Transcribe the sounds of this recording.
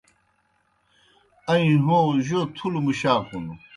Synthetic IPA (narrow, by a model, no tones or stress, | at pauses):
ɐĩɦõːʑot̪ʰulumuɕaːkunu